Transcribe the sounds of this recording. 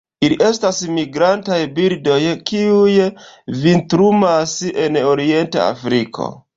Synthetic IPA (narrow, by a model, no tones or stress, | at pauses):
iliʔe̞stasmiɡɾantajbiɾdo̞jkiujvintɾumaseno̞ɾie̞nta̰a̰fɾikʰo̞̰